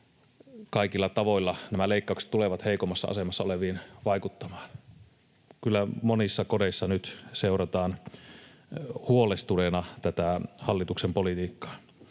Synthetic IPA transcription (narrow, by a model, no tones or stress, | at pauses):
kɑikilːɑt̪ɑʋoilːɑnæmæleˑikːɑˑukse̥t̪t̪ːuleʋɑt̪heˑikomːˑɑsːɑ̰ɑ̰semɑsːɑoleʋiːnʋɑˑikut̪ːɑmɑːn | kylːæmonisːɑkodeisːɑnyt̪seˑurɑt̪ɑːn | huolest̪ulenɑt̪æt̪æhɑlːit̪uksempolit̪iːkːɑ̥ː